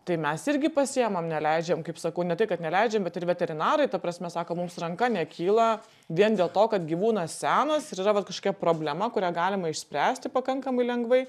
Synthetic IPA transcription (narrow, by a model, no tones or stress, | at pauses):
t̪ɐɪmʲɛsɪɾʲɡʲɪpɐsʲɪɛmɐmnʲɛlʲɛɪd͡ʒʲɛmkɐɪpsɐkɐʊnʲɛt̪ɐɪkɐt̪nʲɛlʲɛɪd͡ʒʲɛmbʲɛt̪ɪɾʋʲɛt̪ʲɛɾʲɪnɑːɾɐɪt̪ɐpɾɐsʲmʲɛsɑːkoːmʊmsrɐŋkɐnʲɛkʲiːlˠɐ | ʋʲiɛnd̪ʲeːlˠt̪oːkɐt̪ɡʲiːʋuːnɐssʲæːnɐsɪɾiːɾɐʋɐt̪kɐʃkoːkʲɛpɾoːbʲlʲɛmɐkʊɾʲæɡɑːlʲɪmɐɪʃʲsʲpʲɾʲæːsʲt̪ʲɪpɐkɐŋkɐmɐɪlʲɛŋɡʋɐɪ